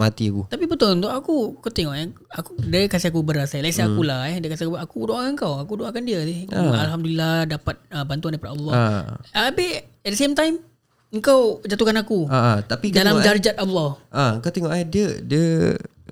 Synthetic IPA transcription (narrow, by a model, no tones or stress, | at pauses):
mat̪iakut̪apibət̪ʊlunt̪oʔakukut̪eŋɔʔɛakudəkasiakubəɾasajlaʔsiakulahɛhdəkasakuakudoʔaaəŋkawakudoʔakandiəsialɦamduliladapat̪̚əbant̪uandaipadaʔɔlːɔ̰abɪ | ɛt̚dəsemt̪ajm | əŋkawd͡ʒat̪ukanakuaat̪apidalamd͡ʒard͡ʒat̪̚alːɔhʔaəŋkawt̪eŋɔʔɛdədiə